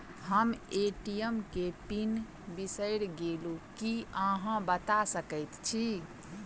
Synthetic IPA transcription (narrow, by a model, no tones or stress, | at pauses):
ɦəmeʈijəmkepin | bisəɪɽɡelukiəɦãbət̪asəkəjt̪t͡ʃʰi